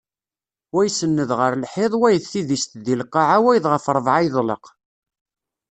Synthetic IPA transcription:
wæjsənːəðʁəɾlħeðˤwæjəθːiðist̪ðilqːɑʕawæjðʁəfɾˤvʕajðˤlə̰q

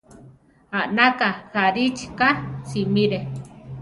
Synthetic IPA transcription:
aʔnakahaɾit͡ʃkasimiɾe

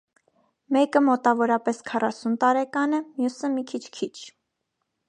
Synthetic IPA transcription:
mɛkəmɔt̪ɑvɔɾɑpɛskʰɑrɑsunt̪ɑɾɛkɑnɛmjusəmikʰit͡ʃʰkʰit͡ʃʰ

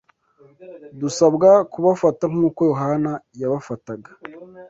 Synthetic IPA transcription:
dusabɡakuβafataŋ̥uːko̞joɦanajaβafataɡḁ

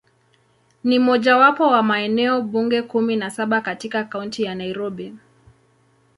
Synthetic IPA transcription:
nim̩ɔʄawapɔwamaɛnɛɔɓuŋɡɛkuminasaɓakatikakauntijanaiɾɔɓi

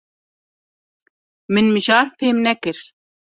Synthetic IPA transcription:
mɨnmɨʒɑːɾpʰeːmnɛkɨɾ

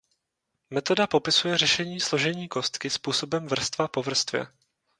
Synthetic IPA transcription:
mɛt̪o̞dapo̞pɪsujɛrɛʃɛɲiːslo̞ʒɛɲiːko̞st̪kɪspuːso̞bɛmvr̩st̪vapo̞vr̩st̪vjɛ̰

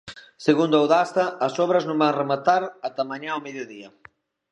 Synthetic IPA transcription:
seɣund̪ʊawðast̪ɐːsɔβɾɐznõmbaŋremat̪aɾɐt̪amaɲaowmeðjʊðiɐ

